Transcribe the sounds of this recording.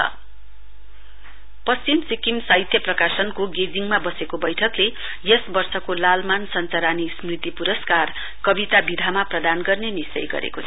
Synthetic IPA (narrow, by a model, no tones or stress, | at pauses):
ʌ̰ | pʌst͡simsikimsait̪ʰjʌprʌkasʌnkoɡed͡ziŋmabʌsekobʌjʈʰʌkle | jʌsbʌrsʌkolalmansʌnt͡saɾanismrit̪ipuɾʌskar | kʌbit̪abid̪ʱamaprʌd̪anɡʌrnenist͡sʌ̰jɡʌ̰ɾḛko